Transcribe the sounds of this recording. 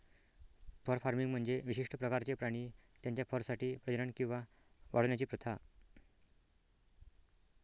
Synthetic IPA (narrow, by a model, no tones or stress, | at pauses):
fəɾfaɾmiŋɡm̤əɳd͡zeʋiɕiʂʈəpɾəkaɾt͡ɕepɾaɽ̃iːt̪jaɲt͡ɕjafəɾsaʈiːpɾəəɾəɳkĩw̃ʋa | ʋʔa̰ɽʋnjat͡ɕiːpɾət̪ʰa